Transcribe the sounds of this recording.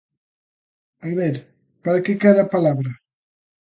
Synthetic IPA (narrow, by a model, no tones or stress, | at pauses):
ajβɛɾ | paɾakekaɾapalaβɾɐ